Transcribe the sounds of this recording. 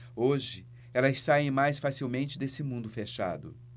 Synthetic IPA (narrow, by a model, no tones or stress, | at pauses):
oʒɪ | ɛlɐsaẽj̃majsfasiwmẽnt͡ʃɪd̪esɪmũnd̪ʊfeʃa̰d̪ʊ̰